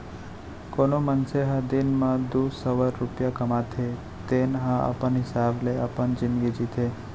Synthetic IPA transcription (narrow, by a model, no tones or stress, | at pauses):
konomənseɦad̪inmãd̪usəʋəɾːupjakəmat̪ʰe | t̪enɦãa̰pəɳɦɪsableapəɳd͡ʒɪnɡid͡ʒit̪ʰe